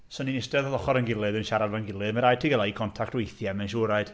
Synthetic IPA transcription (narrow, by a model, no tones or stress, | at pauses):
sɔninɪsdɛðɔðɔχɔɾənɡɪlˠɨðənʃaɾadvanɡɪlˠɨðməɾajd̚tʰiɡɛlˠaikʰɔntʰak̚twejθjamɛnʃuːɾaɨd̥